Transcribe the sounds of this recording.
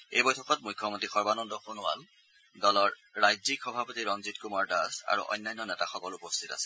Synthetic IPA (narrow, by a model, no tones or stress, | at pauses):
ḛjbɔjtʰɔkɔt̚mujkʰːɔmontɹixɔɹbanɔndɔxunʊa̰l | dɔlɔɹː | ajzikxɔbʱapotiɹɔnzitkumaɹdaza̰ɹṵʔɔ̰jnːajnːɔnɛtaxɔkɔlupɔstʰita̰sɛ̥